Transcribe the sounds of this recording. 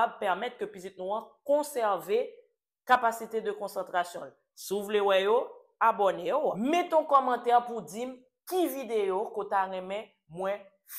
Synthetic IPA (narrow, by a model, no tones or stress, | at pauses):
pɛʁmɛt̪̚kəpizit̪̚nũãkɔ̃sɛʁve | kapasit̪ed̪əkɔ̃sɑ̃t̪ʁasjɔ̃l | siuvulewɛjo | abonejomet̪ɔ̃kɔmɑ̃t̪ɛʁpud͡zim | kivid̪ejokot̪aʁɛ̃mɛ̃ | mwɛ̃ | f